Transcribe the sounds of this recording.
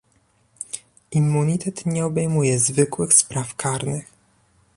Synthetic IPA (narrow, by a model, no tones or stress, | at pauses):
imːuɲit̪ɛt̪ɲɛɔbɛjmujɛzvɘkwɘxspɾafkʰaɾnɘx